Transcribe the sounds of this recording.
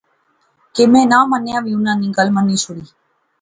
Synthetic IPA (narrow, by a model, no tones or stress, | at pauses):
kɪmẽːnãːmənjãːʋĩːʊnãːnĩːɡəlmənːĩːsʊɽiː